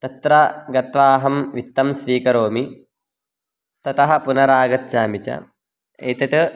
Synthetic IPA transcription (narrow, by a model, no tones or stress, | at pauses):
t̪ɐt̪ɾɐɡɐt̪ʋaːɦɐmʋit̪ːɐmsʋiːkɐɾoːmi | t̪ɐt̪ɐɦɐ̆punɐɾaːɡɐt̪t͡ʃaːmit͡ʃɐ̰ | ḛːt̪ɐt̪ɐ